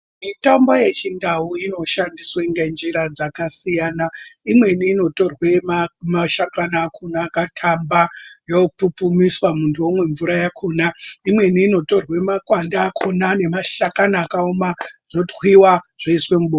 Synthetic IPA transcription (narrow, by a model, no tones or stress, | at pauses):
mitambo̞je̞t͡ʃindauino̞ʃandiswaiŋɡend͡ʒiɾad͡zakasijaːnaimwe̞niːno̞to̞rwe̞mamaʃakanaːkʰunakatʰambajopupumiswamuntʰuwomwe̞ɱvuɾajakʰunaimwe̞niːno̞to̞rwe̞makwandaːkʰonane̞maʃakanaːkaomaʐ̥otwiwaʐ̥aiswe̞muɓo